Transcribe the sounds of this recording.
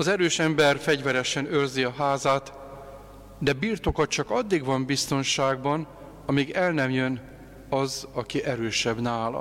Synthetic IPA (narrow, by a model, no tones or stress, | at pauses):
ɒzɛɾøːʃɛmbɛrfɛɟvɛɾɛʃɛnørziɒɦaːzaːt̪ | d̪ɛbiːrt̪o̞kɒt̪t͡ʃɒkɒd̪ːiɡʋɒmbist̪o̞nʃaːɡ̚bɒn | ɒmiɡɛlnɛmjøn | ɒzɒkiʔɛɾøːʃɛbnaːlɒ̰